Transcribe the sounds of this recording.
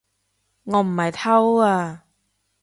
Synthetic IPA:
ŋɔː˨˧m̩˨˩hɐ˨jt̪ʰɐ˥waː˧

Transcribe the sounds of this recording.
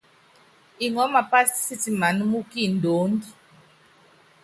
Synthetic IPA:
i˨ŋɔ˨˦ma˨pa˦si̥˦si˦t͡si˨ma˨nu˦mu˦ki˦˨ndoː˨˦ndi˦

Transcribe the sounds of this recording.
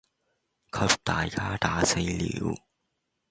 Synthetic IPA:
kʰɐ˧˥p̚t̪aː˨˩jkaː˧˥t̪aː˨˥se˨˧˥jlḭː˨˥w

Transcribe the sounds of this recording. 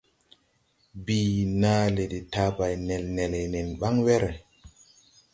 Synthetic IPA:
biː˨naː˦le˨di˨ta˨˦ba˨jnɛ˨lne˨le˨ne˨nɓa˦ŋwɛ˦ɾe˨

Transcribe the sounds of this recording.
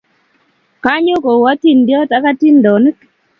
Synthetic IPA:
ka˦ɲo˦ko˨wa˦ti˦˨ndjɔ˦ta˦ka˦ti˦ndɔ˨n˦k

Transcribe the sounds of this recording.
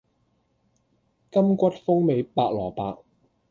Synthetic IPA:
kɐ˥mkʷɐ˥t̚fʊ˥ŋme˨˧˥jpaː˧k̚lɔː˨˩paː˧k̚

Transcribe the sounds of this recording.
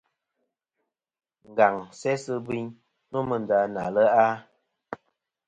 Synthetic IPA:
ŋ̩˨ɡa˨ŋsɛ˦sə˦bi˦ɲ | no˦mə˨n˨da˨˧na̰˨lə˦a˦

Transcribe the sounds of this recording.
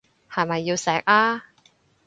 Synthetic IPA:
hɐ˨jmɐ˨jːiː˧wsɛː˨˥k̚aː˥

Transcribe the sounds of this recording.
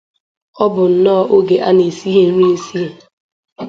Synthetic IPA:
ɔ˦bʊ˨n̩˨nɔ˦˨ʔo˦ɡe˨ʔa˦ne˨si˦ɦe˦ɾi˦e˦si˦e˨

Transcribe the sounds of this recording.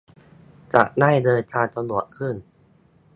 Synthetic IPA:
t͡ɕa̰˨˩ʔ̚na˥˩jdɤː˧jt̪ʰaː˧nt̪a˧lu˨˩əkʰɯ˥˩n

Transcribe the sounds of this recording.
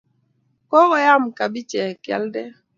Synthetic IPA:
kɔ˦kɔ˨ja˦mka˨bi˦t͡ʃɛ˨kja̰˦ldɛ˦

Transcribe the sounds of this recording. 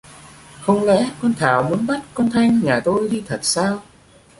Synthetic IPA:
hə˧wŋ͡mlɛ̰˧˥kɔ˧nt̪ʰaː˨˩wmu˨˦ənɓa˦˥t̚kɔ˧nt̪ʰa˧jŋɲaː˨˩t̪o˧jɗ̪i˧t̪ʰə˨˩t̚saː˧w

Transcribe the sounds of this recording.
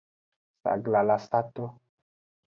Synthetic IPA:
sa̰˨ɡla˨la˨sa˦t̪o˦

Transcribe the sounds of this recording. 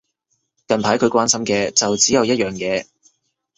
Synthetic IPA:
kɐ˨npʰaː˨˥jkʰɵ˨˧kʷaː˥nsɐ˥mkɛː˧t͡sɐ˨wt͡siː˨˥jɐ˨wjɐ˥t̚jœː˨ŋjɛː˨˧

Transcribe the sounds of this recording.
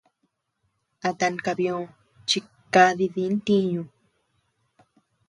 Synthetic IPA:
a˧t̪a˧nka˧βjõ˧˨ | t͡ʃi˧ | ka˧ði˧ði˧˦nt̪ĩ˦ɲũ˧

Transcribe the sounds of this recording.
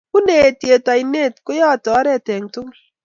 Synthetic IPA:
ku˦ne˨tje˨ta˨i˨ne˦˨t̚kʊ˦jɔ˦˨tɔ˨˦ɾɛ˦˨te˨ŋtʊ˦ŋ

